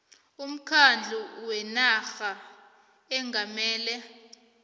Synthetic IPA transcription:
um̩kʰand͡ɮʱuwɛnaxa | ɛŋɡʱamɛːlɛ

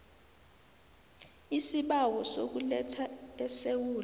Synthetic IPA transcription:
isiɓawɔsok̬ulɛtʰaɛsewuːl

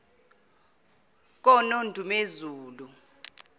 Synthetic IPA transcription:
k̬ɔnondʱumezuːlu

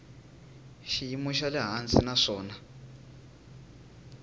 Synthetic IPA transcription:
ʃijimuʃalɛɦant͡sinaʂɔːna

